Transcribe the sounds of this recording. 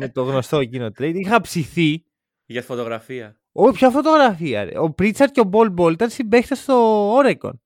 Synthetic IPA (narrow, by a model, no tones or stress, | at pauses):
net̪oɣno̞st̪o̞ecinot̪ɾe̞jd̪ixɐpsiθi | ʝɐt̪fot̪oɣɾɐfiɐ | opçɐfo̞t̪o̞ɣɾɐfiɐ̰ɾḛopɾit͡sɐɾt̪̚ceobo̞lbo̞lt̪eɾsimbe̞xt̪est̪o̞oɾeko̰n